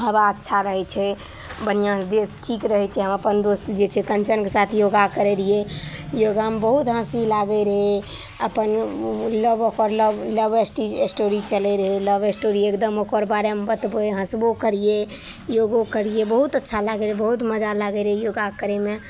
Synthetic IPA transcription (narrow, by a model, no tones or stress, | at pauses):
ɦəbaətːʃʰaɾəɦɛt͡ʃʰɛ | bənijãd̪esʈʰikɾəɦɛt͡ʃʰɛɦəməpənd̪ost̪d͡ʒet͡ʃʰɛkənt͡ʃənkesat̪ʰjoɡakəɾeɾijejoɡamebəɦut̪ɦə̃silaɡɛɾəɦe | əpənləbokəɾləbləbesʈiesʈoɾit͡ʃəlɛɾəɦeləbesʈoɾiekd̪əmokəɾbaɾemebət̪bəeɦə̃sbokəɾije | joɡokəɾijebəɦut̪ətːʃʰalaɡəɾebəɦut̪məd͡ʒʱalaɡəɾəɦejoɡakəɾeme